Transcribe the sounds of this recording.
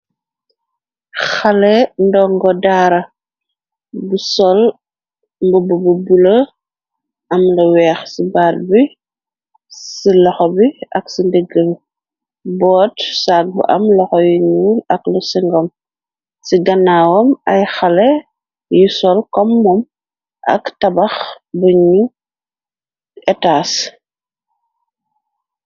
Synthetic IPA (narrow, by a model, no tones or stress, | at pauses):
xɐlɛndɔŋɡɔdaːɾɐ | busɔl | mbubububulɐ | ɐmlɐwɛːxsibaːlbi | silɔxɔbiɐksindəɡːəm | bɔːtsaːk̚bṵʔɐ̰mlɔxɔjuɲuːlɐklusiŋɡɔm | siɡɐnːawɔmɐjxɐlɛ | jusɔlkɔmːɔm | ʔɐ̰ktɐbɐx | bəɲu | ɛtaːs